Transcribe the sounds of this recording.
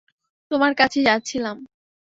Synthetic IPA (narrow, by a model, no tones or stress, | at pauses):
t̪omaɾkat͡ɕʰed͡ʑatːt͡ɕʰilam